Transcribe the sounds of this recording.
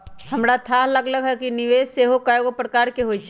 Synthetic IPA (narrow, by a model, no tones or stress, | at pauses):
hɐmɾat̪ʰaːɦləɡləɡɦɛkinɪʋeːsseːɦokaːjoɡpɾəkaːɾkeɦoit͡ʃʰ